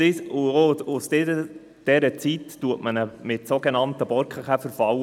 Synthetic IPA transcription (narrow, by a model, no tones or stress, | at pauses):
ɪsʊoʊsdɛə | d̥ɛɾət͡sitːuətmənəmɪtsoɡenɑnt̪əb̥ɔɾkχəχæfəɾfɑw